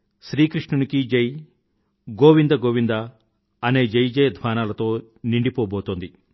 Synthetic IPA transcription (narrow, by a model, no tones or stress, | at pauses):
ʃɾiːkɾiʂnɐnikid͡ʒej | ɡoːʋind̪ɐɡoːʋind̪ɐ | ɐneːd͡ʒejd͡ʒeːd̪ʱʋaːnaːlɐt̪o̞ː | niɳɖipoːboːt̪ond̪i